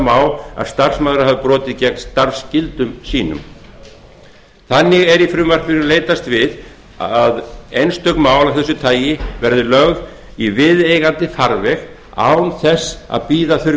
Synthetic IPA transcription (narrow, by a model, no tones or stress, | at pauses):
maːwa̰ðst̪ar̥smaːðɾahaðʏpɾɔːt̪ɪðcɛknst̪aɾscɪlt̪ʏmsiːnʏ̰m | θanːɪɣɛɾifɾʏːmar̥pɪɾʏnleːjt̪ast̪vɪð | aðejnst̪œknmaːwlawθɛsːʏt̪ʰaːjɪvɛɾðɪlœɣð | ivɪðejɣant̪ɪfaɾvɛɣ | a̰ːwnθɛsa̰ðpiːðaθʏɾ